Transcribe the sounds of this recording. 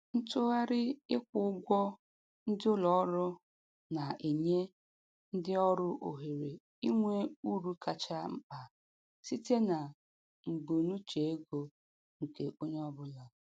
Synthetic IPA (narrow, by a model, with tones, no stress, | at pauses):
n̩˦tʊ˦ɣa˦ɾɪ˦ɪ˦kʷʊ˨ʊ˦ɡʷɔ˦ | n̩˦dɪ˦ʊ˦lɔ˨˦ɾʊ˦ | na˨e˨ɲe˦ | n̩˦dɪ˦ɔ˦ɾʊ˦ʔo˨ɦe˨ɾe˨ | i˦ŋʷe˦u˦ɾu˦ka˨t͡ʃa˦m̩˦k͡pa˨ | si˦te˦na˨ | ŋ͡m̩˨ɡ͡bo˨nu˦t͡ʃe˨e˦ɡo˦ | ŋ̩˨ke˨ʔo˦ɲe˦ɔ˦bʊ˦la˨